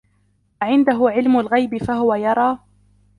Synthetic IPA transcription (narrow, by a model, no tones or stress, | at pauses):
ʔaʕɪnd̪aɦʊʕɪlmʊlɣajbɪfaɦʊwajɑɾˤɑː